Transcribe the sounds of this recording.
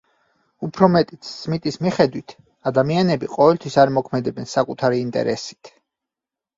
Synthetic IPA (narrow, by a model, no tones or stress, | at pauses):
upʰɾɔmɛt̪ʼit̪ʰsmit̪ʼismiχɛd̪wit̪ʰ | ad̪amianɛbiqʼɔvɛlt̪ʰwisaɾmɔkʰmɛd̪ɛbɛnsakʼut̪ʰaɾiːnt̪ʼɛ̰ɾɛ̰si̥t̪ʰ